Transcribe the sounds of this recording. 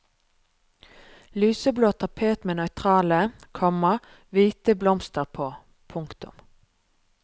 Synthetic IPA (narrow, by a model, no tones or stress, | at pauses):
lyːsəbloːt̪ʰɑpʰeːt̪meːnœʏt̪ʰʁɑːləkʰɔməʁ | ʋiːt̪əblɔmst̪əʁpʰoː | pʰʊŋkt̪ʊ̰m